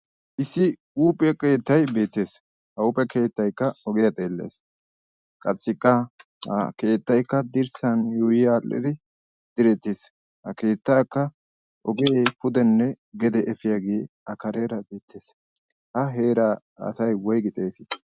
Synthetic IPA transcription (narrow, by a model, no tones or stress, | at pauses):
ʔɪsːɪ | uːpʼɛke̞ːt̪ːɐjbe̞ːt̪ːe̞ːs | hɐʊpʼːɛkʰe̞ːt̪ːɐjkːɐɔɡɪjɐt̪ʼeːlːḛːs | kʼɐt͡sʼːɪkʼːɐhɐ̰ke̞ːt̪ːɐjkːɐd̪ɪɾsɐnjuːjɪjaːlːɪ̰d̪ɪ | d̪̥ɪɾɛt̪ːeːs | hɐke̞ːt̪ːaːkːɐ | ʔɔɡepʊd̪ɛnːɛ | ɡɛd̪ɛʔɛfɪjaɡeː | ɐkɐɾeːɾɐbe̞ːt̪ʰːeːs | hɐɦeːɾɐ | ɐ̰sɐjwɔjɡɪt̪ʼeːsɪ